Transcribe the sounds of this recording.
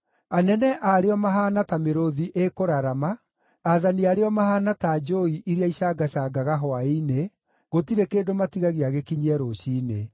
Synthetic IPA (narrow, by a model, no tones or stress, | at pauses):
anɛnɛʔaɾeɔmaɦanatameɾoðiʔekoɾaɾamaː | ðaniaɾeɔmahaːnataːd͡ʒoiʔiɾeaiɕaɡaɕaːɡaɣaɦɔaine | ɣotiɾekeːdomatiɣaɣeaɣekiɲiɛɾoɕiːne